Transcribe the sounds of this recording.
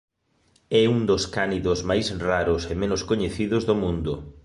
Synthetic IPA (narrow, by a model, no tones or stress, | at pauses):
ɛuŋd̪oskaniðozmajsraɾʊsemenʊskoɲeθiðʊzðomũnd̪ʊ